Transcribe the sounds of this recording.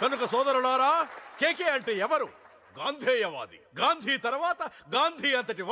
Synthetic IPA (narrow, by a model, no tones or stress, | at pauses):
kɐnukɐsɔːd̪ɐɾuɽaːɾaːkeːkeːɐɳʈeːɛʋɐɾu | ɡaːnd̪ʱeːjɐʋa̰ːd̪ḭɡaːnd̪ʱiːt̪ɐɾʋaːt̪ɐɡaːnd̪ʱiːɐnt̪ɐʈ̬iʋ